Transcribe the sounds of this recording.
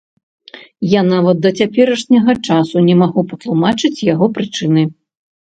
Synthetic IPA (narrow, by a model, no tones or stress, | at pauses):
janavɐt̪̚d̪ɐt͡sʲapʲɛɾɐʂnʲɐɣɐt͡ʂasunʲɛmaɣupɐt̪lˠumat͡ʂɨt͡sʲjaɣɔpɾɨt͡ʂɨnɨ